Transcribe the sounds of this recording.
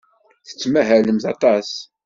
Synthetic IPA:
θə̥t͡sːmæɦæləmθɑt̪ˤɑs

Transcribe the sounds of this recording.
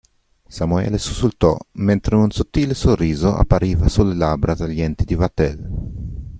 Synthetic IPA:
samuɛ̰lesu̥sult̪ɔ̰ment̪ɾeunsot̪ːiːlesorːiːzoʔa̰pːaɾiːvasulːelabɾat̪aʎːɛnt̪id̪ivat̪ɛl

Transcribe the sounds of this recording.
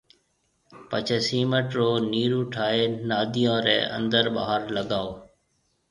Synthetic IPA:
pət͡ʃʰeːsiːməʈɾoːniːɾuːʈʰaːɦeːnaːd̪ʱijõːɾɛ̰ːʔə̰̃nd̪əɾɓa̰ːɦəɾləɠaːoː

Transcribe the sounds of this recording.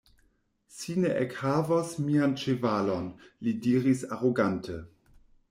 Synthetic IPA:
sineʔekhavasmiant͡ʃevalonlidiːɾisaʁoɡantʰə

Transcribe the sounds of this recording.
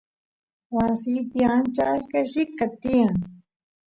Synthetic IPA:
wasiːpjant͡ʃaʃkaʃikːat̪ijaŋ

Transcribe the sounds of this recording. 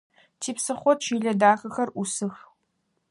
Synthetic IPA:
tʰiːpsɨχʷɔtt͡ʃʰiːɮɐdaːxɐxɐrʔusɨx

